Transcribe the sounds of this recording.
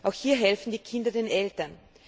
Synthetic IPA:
ʔaʊxhiːɐɦɛlfn̩diːkʰɪndɐdeːnʔɛltɐn

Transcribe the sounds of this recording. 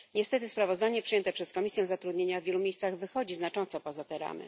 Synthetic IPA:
ɲɛst̪ɛt̪ɘspɾavɔzd̪aɲɛpʂɨjɛnt̪ɛpʂɛskɔmʲisʲjɛ̃w̃zat̪ɾud̪ɲeɲavʲjelumʲjejst̪saɣvɘxɔd͡ʑiznat͡ʂɔnt̪sɔpɔzat̪ɛɾa̰mɘ̰

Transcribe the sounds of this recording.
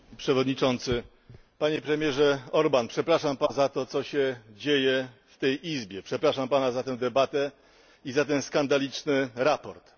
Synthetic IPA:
pʂɛvɔd̪ɲit͡ʂɔnt̪sɘ | paɲɛpɾɛmʲjɛʐɛɔɾbanpʂɛpɾaʂampazat̪ɔt̪sɔɕɛd͡ʑejɛft̪ɛjʔizbʲjɛpʂɛpɾaʂampanazat̪ɛw̃d̪ɛbat̪ɛ | izat̪̬ɛwskand̪alʲit͡ʂnɘɾapɔɾt̪

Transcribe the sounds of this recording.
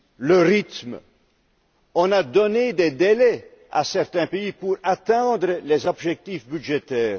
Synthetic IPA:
ləʁit̪m | ɔ̃nad̪ɔned̪ed̪elɛ | a̰sɛʁt̪ɛ̃peipuʁat̪ɛ̃d̪ʁəlezɔbʒɛk̚t̪ifbyʒet̪ɛːʁ

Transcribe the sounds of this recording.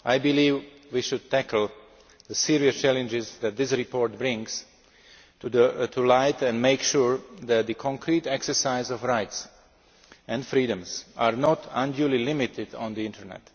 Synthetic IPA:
ʔajbiliːvwiʃʊd̚t̪ækl̩ˠ | ðəsiɹiəst͡ʃælɨ̃nd͡ʒɪzðæt̪̚d̪ɪsɹipɔɹt̚bɹɪ̃ŋz̥ | tʰulaɪtɛ̃ndmeɪkʃuɹðæt̪̚ðəkʰɔ̃ŋkʰɾitɛksə˞saɪzɔvɹaɪts | ɛ̃ndfɹidə̃mzaɹnɔtʰãndjulilɪmitʰɪdɔ̰̃nd̪iɪ̃ntʰəɹnɛ̰t

